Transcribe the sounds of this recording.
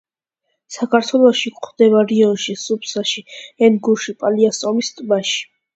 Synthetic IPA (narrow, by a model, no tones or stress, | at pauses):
sakʰaɾt̪ʰwɛlˠɔʃikʼχd̪̥ɛβaɾiɔnʃisupʰsaʃiɛnɡuʃipʼaliasʼɔmist̪ʼmaʃi̥